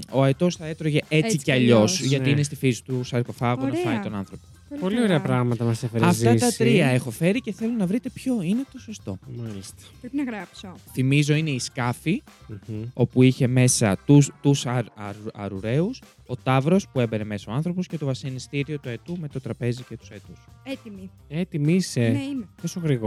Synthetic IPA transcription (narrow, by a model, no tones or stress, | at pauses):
o̞ɐet̪o̞sθɐe̞t̪ɾoʝe̞et͡siceɐʎo̞sʝɐt̪iinest̪ifisi̥t̪usɐɾko̞fɐɣonɐfɐnit̪o̞nɐnθɾo̞poopolioɾeɐpɾɐɣmɐt̪ɐmɐsɐfeɾɐɐfzt̪ɐt̪ɾɾiɐe̞xo̞fe̞ɾice̞θe̞lonɐvɾit̪e̞pço̞ine̞t̪o̞so̞st̪o̞mɐlist̪e̥pɾepinɐɣɾapsoθimizo̞ine̞iskɐfi | o̞puiçe̞me̞sɐt̪ut̪usɐɾɐɾɐ̰ɾuɾe̞us | o̞t̪ɐvɾo̞spue̞beɾe̞me̞sɐoɐnθɾo̞posce̞t̪o̞vɐsenist̪iɾio̞t̪ue̞t̪ume̞t̪o̞t̪ɾɐpe̞zice̞t̪u̥set̪uset̪imi | et̪imiset̪osoɣɾiɣo